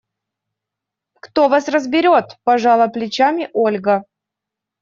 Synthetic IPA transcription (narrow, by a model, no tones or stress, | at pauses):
kt̪ovasrəzbʲɪɾʲot̪pɐʐɑlˠʊplʲɪt͡ɕamʲɪʔolʲɡə